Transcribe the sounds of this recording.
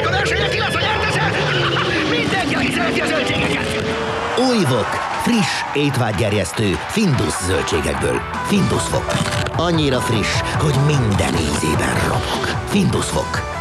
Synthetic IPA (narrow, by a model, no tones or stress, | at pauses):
øløʃeɛkilɛsɑjɛrt̪aʃɛ | mind̪ɛŋkikizølkizølt͡ʃeːɡɛkɛt̪ | ujvo̞k | friʃ | eːt̪ʋaːd̪ɡɛrjɛst̪øːfind̪uszølt͡ʃeːɡɛ̰ɡ̚bø̰ːl | find̪usʋo̞̰kɒɲːiɾɒfriʃho̞ɟmind̪ɛ̰nḭːnzḛːbɛ̰nro̞̰ɡokfind̪usvo̰k